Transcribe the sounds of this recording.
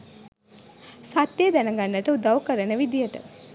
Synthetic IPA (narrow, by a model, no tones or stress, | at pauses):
sat̪ːeːd̪ænəɡanːəʈəud̪awkəɾənəʋid̪ijəʈə̰